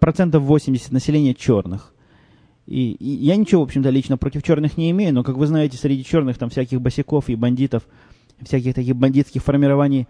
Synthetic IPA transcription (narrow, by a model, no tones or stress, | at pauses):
pɾɐt̪sɛnt̪əfvo̞sʲɪmʲdʲɪsʲə̥t̪nəsʲɪlʲenʲɪjət͡ɕo̞rnɨx | ḭjanʲɪt͡ɕɪvoo̞pɕːɪmt̪əlʲit͡ɕnəpɾotʲɪft͡ɕo̞rnɨxnʲɪɪmʲejʊno̞kakvɨznajɪtʲɪsʲɾʲɪdʲit͡ɕo̞rnɨxt̪amfsʲækʲɪxbəsʲɪko̞fɪbɐnʲdʲit̪əf | fsʲækʲɪxt̪ɐkʲixbɐnʲdʲit̪skʲɪxfərmʲɪɾɐvanʲɪj